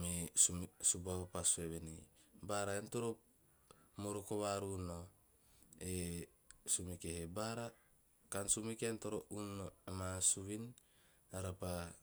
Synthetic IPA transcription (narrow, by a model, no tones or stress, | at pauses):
miusubaopasueβenḭbaɾaentoɾop | moɾokoβaɾuno | e | sumikehebaɾa | kansumikentoɾounoamasuβin | aɾapa